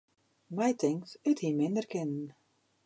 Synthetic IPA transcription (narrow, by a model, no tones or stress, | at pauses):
mɛjtʰɪŋktəthimɪndərkɪnən̩